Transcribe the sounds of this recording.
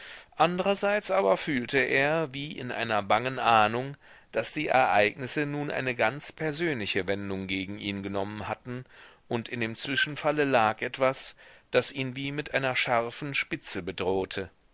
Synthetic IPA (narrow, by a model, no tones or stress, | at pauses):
ʔandəʁɐzaɪt͡sʔaːbɐfyːltəʔeːɐviːʔɪ̰nʔa̰ɪnɐbaŋənʔaːnʊŋ | d̥asd̥iːʔɛ̰ɐʔaɪɡnɪsənuːnʔa̰ɪnəɡant͡spʰɛɐzøːnlɪçəvɛndʊŋɡeːɡŋ̩ʔiːnɡənɔmənhatn̩ʔʊntɪndeːmt͡sv̥ɪʃn̩faləlaːkʔɛtv̥asd̥asʔiːnviːmɪtʔaɪnɐʃaɐfn̩ʃpɪt͡səbədʁoːtʰə